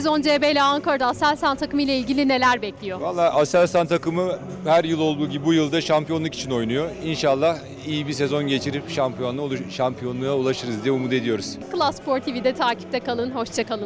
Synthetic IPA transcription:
ezo̞nd͡ʒeːbejlʲɛaŋkʰaɾd̪aːsælʲsant̪ʰːakɯmɯjlʲˠailʲɟilʲine̞lʲæɾbɛclʲijo̞valˠːaːʔasælʲsant̪ʰːakɯmɯ | hæɾjɯlˠo̞lˠd̪uːɟibibujɯlˠd̪aʃampʰijo̞nlˠuki̥t͡ʃʰino̞jnujo̞inʃalˠːah | ijibisezo̞nɟe̞t͡ʃʰiɾipʃampʰijo̞nˠaʃampʰijo̞nuaulˠaʃɯɾɯzd̪ijɛumud̪e̞d̪ijo̞ɾuz̥kɯlˠasːpʰo̞ɾt̪ʰivid̪ɛt̪ʰaːci̥p̚t̪ʰɛkʰalˠɯnho̞ʃt͡ʃʰakalˠɯ

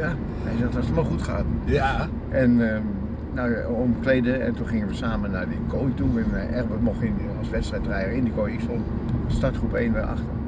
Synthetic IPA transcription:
ja | hɛ̰jsɛxtɔsəmaxutχa̰ːtn̩ | ʔɛnə | nawomkleːdəɛ̰ntunχɪŋənʋəsaːmənardəkʰojtuɛnɛrʋəmɔxin | ɔsʋɛtstrɛjtrɛjərɪndəkojikso | statχrupeːndəra̰xtə

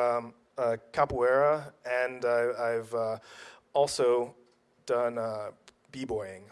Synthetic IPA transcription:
ʌ̃ | ʌkʰapuɛɹəɨ̃naɪaɪvʌɔlˠsoʊ | d̥ʌ̃nʌ | b̥ibɔɪɪ̃ŋ

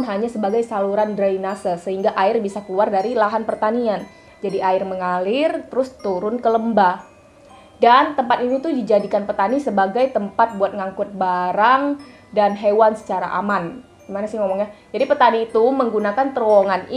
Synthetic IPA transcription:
nɦaɲasəbaɡajsaluɾandɾainasəsəɦiŋɡaʔaɪrbisakəluardaɾilaɦanpərt̪anian | d͡ʒadiʔaɪrməŋalɪrt̪əɾʊst̪uɾʊnkələmba | dant̪əmpat̪init̪ʊdid͡ʒadikanpət̪anisəbaɡajt̪əmpat̪̚buat̪̚ŋaŋkʊt̪̚baɾaŋ | danɦewansə̥t͡ʃaɾa̰ʔa̰man | d̥imanasɪhŋɔmɔŋjad͡ʒadipət̪aniːt̪uməŋɡunakant̪əɾwɔŋani

